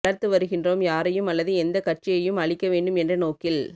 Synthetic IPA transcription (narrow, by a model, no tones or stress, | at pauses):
ɽɐɾt̪ɯʋɐɾɯɣɪndroːmjaːɾɐjɯmɐlːɐðɯɛnd̪ɐkɐʈ̚t͡ʃɪjɐjɯmɐɭɪkːɐʋeːɳɖɯmɛndrɐnoːkɪl